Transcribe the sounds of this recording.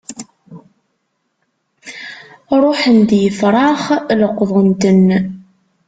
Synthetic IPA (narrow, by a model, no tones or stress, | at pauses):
ɾˤʊħənd̪jəfɾˤɑχləqːðˤənt̪ən